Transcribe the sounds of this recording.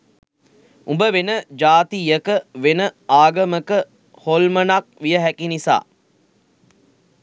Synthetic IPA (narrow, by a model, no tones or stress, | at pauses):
umbəʋenəd͡ʒaːt̪ijəkəʋenəaːɡəməkə | holmənak̚ʋijəɦækinisa̰ː